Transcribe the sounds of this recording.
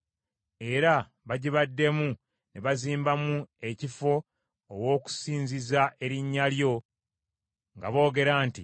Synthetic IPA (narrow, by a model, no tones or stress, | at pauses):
e̞ɾa | βaɟiβadːe̞mu | neβaziːmbamue̞cifo̞ː | wo̞ːku̥siːɲzizaʔe̞ɾiɲːaljo̞ | ŋɡa̰βo̞ːɡe̞ɾaːntḭ